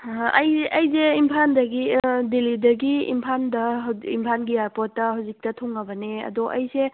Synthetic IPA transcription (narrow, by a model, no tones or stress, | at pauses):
ɐjeʔɐjzeimpʰandɐɡidelidɐɡiḭmpʰandɐɦimpʰanɡiaɾpɔtːɐɦawzik̚tɐtʰɔŋːɐbɐneɐ̰dɔʔɐjse